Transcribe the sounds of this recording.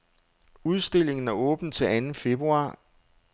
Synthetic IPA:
uð̞ˠsd̥e̝l̰e̝ŋn̩æɐɔ̽ːb̥n̩t͡sʰe̝lænn̩fe̝b̥ʁuɑ̰̈ː

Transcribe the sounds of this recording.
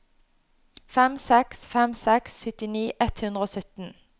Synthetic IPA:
fɛmsɛksfɛmsɛksːʏt̪ɪniːʔɛt̪hʉnd̪ʁəoːsœt̪n̩

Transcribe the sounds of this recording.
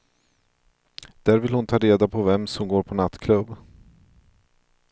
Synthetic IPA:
d̪̥æːɾvɪlhʊnt̪ʰɑːɾeːd̪apʰɔvɛmsɔmɡoːɾpʰɔnat̪ːkʰlɵb

